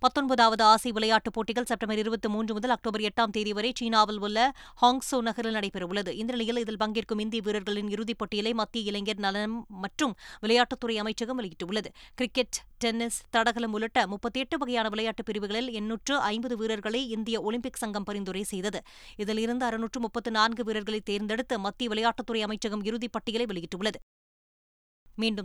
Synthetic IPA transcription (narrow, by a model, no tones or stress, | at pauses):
pɐt̪ːɔnbɐðaːʋɐðɯaːsɐɪʋɪlɐjaːʈːɯpːoːʈːɪɣɐɭsɛp̚ʈɐmbɐɾɪɾɯbɐt̪ːɯmuːndrɯmʊðɐlɐk̚ʈoːbɐɾɛʈːaːmt̪eːðiʋɐɾɐɪt͡ʃiːnaːʋɐlʋɯlːɐ | haːŋɡsoːnɐɣɐɾɪlnɐɽɐɪpɪɾɐʋɯɭːɐðɯʔɪnd̪ɪɾɐnɐjɪlɪðɪlpɐŋɡɪrkɯmɪnd̪ɪjɐʋiːɾɐɾɣɐɭɪnɪɾɯðipːoːʈːɪjɪlɐɪmɐt̪ːɪjɐɪlɐŋɡɐɾnɐlɐmːɐʈrɯmʋɪlɐjaːʈːɯt̪ːʊrɐɪɐmɐɪt͡ʃːɐɣɐmʋɐɭɪɣɪʈːɐʋʊɭːɐðɯkɪɾɪkːɛʈʈɛnːɪst̪ɐɽɐɣɐlɐmʊlɐʈːɐmʊpːɐt̪ːɯɛʈːɯʋɐɣɐjaːnɐʋɪlɐjaːʈːɯpːɪɾɯʋɪɣɐɭɪlɛnːuːʈrɯʔɐɪmbɐðɯʋiːɾɐɾɣɐɭɐɪɪnd̪ɪjɐɔlɪmpɪksɐŋɡɐmpɐɾɪnd̪ɯɾɐɪsɛjðɐðɯ | ɪðɪlɪɾɯnd̪ɯɐɾɯnuːʈrɯmʊpːɐt̪ːɯnaːnɡɯʋiːɾɐɾɣɐɭɐɪt̪ːeːɾnd̪ɛɽɯt̪ːɯmɐt̪ːɪjɐʋɪlɐjaːʈːɐt̪ːɯrɐɪɐmɐɪt͡ʃːɐɣɐmɪɾɯðipːɐʈːɪjɐɭɐɪʋɐɭɪɣɪʈːɯʋɯɭːɐðɯ | miːɳɖɯm